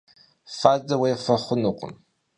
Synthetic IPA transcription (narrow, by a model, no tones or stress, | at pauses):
faːzɐwejfɐχʷʊnuqʷʊ̰m